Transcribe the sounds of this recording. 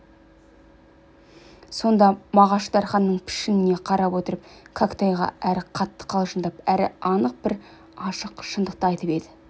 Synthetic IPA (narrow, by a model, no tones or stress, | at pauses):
so̞nd̪ɑmɑʁɑʃəd̪ɑɾχɑnːəɴpʰɪ̥ʃɪnɪne̞qʰɑɾɑpwo̞t̪əɾəp̚kʰakt̪ɑjʁɑ̰æɾɪqʰɑt̪ːə̥qʰɑlˠʒənd̪ɑpæɾɪ̰ɑnəq̚b̥ɪɾ | ɑʃəqʃənd̪əq̚t̪ɑjt̪əped̪ɪ